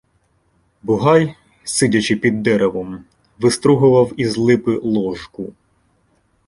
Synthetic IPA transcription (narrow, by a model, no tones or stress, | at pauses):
bʊɦɑj | sɪdʲɐt͡ʃɪpʲid̪ːɛɾeʋɔm | ʋɪst̪ɾuɦʊʋɐwizlˠɪpɪlˠɔʒkʊ